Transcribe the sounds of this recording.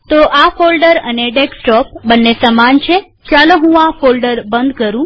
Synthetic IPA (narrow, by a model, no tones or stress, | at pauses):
t̪oʔafolɖəɾəneɖeksʈɔp̚bənːesəmant͡ʃʰe | t͡ʃaloɦũafolɖəɾbənd̪kəɾũ